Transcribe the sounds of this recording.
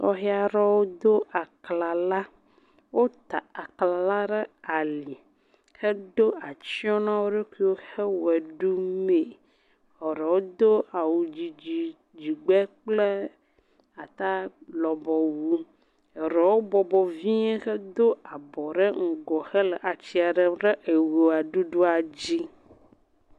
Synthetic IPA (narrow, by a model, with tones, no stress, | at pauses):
ɔ̰˦ɦɛ˦a˨ɾɛ˦wo˦d̪o˦ʔa˨kla˨la˦ | wo˦t̪a˨a˨kla˨la˦ɖe˦a˨li˨ | xe˦d̪o˦a˨t͡ʃi˦ɔ̃˦nã˦wo˦ɖe˦ki˦wo˦he˦wɛ˨ɖu˦me˨ | ɔ˨ɾɛ˨wo˦d̪o˦a˨wu˨d͡ʑi˨d͡ʒi˨ | d͡ʑi˨ɡ͡bɛ˦k͡ple˦ | a˨t̪a˦lɔ˨bɔ˨wu˦ | e˨ɾɛ˨wo˦bɔ˨bɔ˨vi˦ɲe˦xe˦d̪o˦a˨bɔ˨ɖə˦ŋ̩˨ɡɔ˨xə˦lə˨ʔa˨t͡ɕi˦a˨ɖə˦ɖə˦ʔe˨wu˨o˨a˨ɖu˦ɖo˦a˨d͡ʑi˦